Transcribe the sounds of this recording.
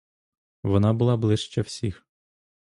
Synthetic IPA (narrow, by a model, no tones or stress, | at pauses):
ʋɔnɑbʊlˠɑblˠɪʃt͡ʃɛwsʲix